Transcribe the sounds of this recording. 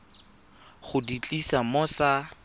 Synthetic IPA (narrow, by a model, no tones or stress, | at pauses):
χʊdit͡ɬʼisamʊsa